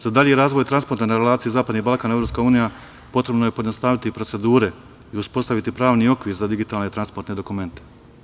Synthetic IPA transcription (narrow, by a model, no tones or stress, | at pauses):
z̥ad̪aʎeɾaːzʋo̞jt̪ɾanspo̞ɾt̪anaɾelaːt̪ijizaːpad̪nihbalˠkaːne̞vɾo̞pskauːnija | po̞t̪ɾe̞bnoje̞po̞ed̪nost̪aːʋit̪ipɾo̞t̪se̞d̪uːɾe̞ | iuspo̞st̪aʋit̪ipɾaːʋnio̞kʋiːɾzad̪iɡit̪aːlne̞t̪ɾanspo̞ɾt̪ne̞d̪o̞kume̞nt̪e̥